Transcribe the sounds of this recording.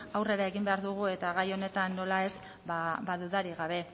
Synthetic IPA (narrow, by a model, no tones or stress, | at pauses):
awre̞ɾae̞ɣimbe̞aɾðuɣ̞ue̞t̪aɣajo̞ne̞t̪anːo̞lae̞z | babaðuðaɾiɣaβ̞e̞